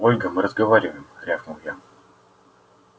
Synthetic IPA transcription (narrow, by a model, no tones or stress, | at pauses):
olʲɡəmɨɾəzɡəvaɾʲɪvəjɪmɾʲafnɨlˠja